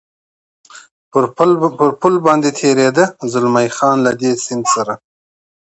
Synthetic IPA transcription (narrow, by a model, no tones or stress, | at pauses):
pəɾpʊlbɑnd̪et̪ʰeɾed̪əzʊlmajxɑːnlad̪esɪnd̪saɾa